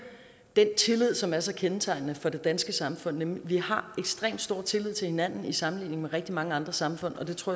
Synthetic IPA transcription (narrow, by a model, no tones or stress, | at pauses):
d̥ent͡sʰe̝lið̞̰ˠsɒ̽mæɐsɒ̽kʰenət͡sʰɑ̈ɪnnəfɒ̽d̥e̝d̥ænsɡ̥əsɑ̈mfɔ̽n̰ːemliʋihɑ̈eɡ̥sd̥ʁḛːmd̥sd̥o̝ɐ̰t͡sʰe̝lið̞ˠt͡sʰe̝lhe̝næn̰n̩isɑ̈mn̩lḭːne̝ŋmeʁɛɡ̥d̥imɑ̈ŋəɑ̈nd̥ʁɐsɑ̈mfɔ̽n̰ɒ̽d̥e̝t͡sʰoɐ̰